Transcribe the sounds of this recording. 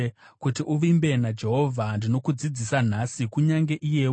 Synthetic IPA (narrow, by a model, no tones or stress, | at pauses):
kutiʔuʋimbe̞nad͡ʒe̞ɦo̞vʱandino̞kud͡zid͡zisan̤asikuɲaŋɡe̞ʔije̞